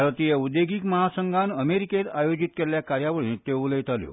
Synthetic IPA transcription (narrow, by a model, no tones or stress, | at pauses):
ɾət̪ijeud̪eɡiːkməɦasəŋɡʱãnəmeɾiket̪ajod͡ʑit̪̚keljakaɾjaʋəɭĩt̪euləjt̪aljo̰